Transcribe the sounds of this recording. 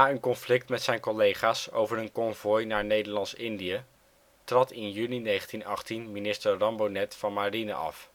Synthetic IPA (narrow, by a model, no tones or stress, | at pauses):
aːənkɔnflɪk̚tmɛtsɛjnkɔlejχaːso̰wvəɹənkɔɱvɔjnaːɹnejdəɹlɑnsɪndijə | trɑtɪnjyninejχəntinɑχtinminɪstəɹrɑmbonɛtfɑnmaːrinə̰ʔɑ̰f